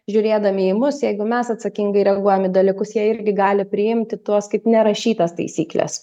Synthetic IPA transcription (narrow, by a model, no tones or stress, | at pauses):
ʒʲʊɾʲeːd̪ɐmʲɪɪmʊsjɛɪɡʊmʲɛsɐt̪sɐkʲiŋɡɐɪɾʲɛɡuɔjɛmʲɪd̪ɐlʲɪkʊsjiɛɪɾʲɡʲɪɡɑːlʲɪpʲɾʲɪjɪmʲt̪ʲɪt̪uɔskɐɪpnʲɛɾɐʃʲiːt̪ɐst̪ɐ̰ɪsʲḭːklʲɛ̰s